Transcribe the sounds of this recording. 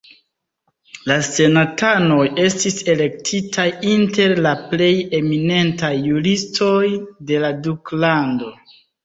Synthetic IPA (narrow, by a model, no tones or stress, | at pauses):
lase̞natano̞je̞stise̞le̞k̚tʰitʰajinte̞ɾlaple̞je̞mine̞ntajːuɾistʰo̞jde̞laduklando̞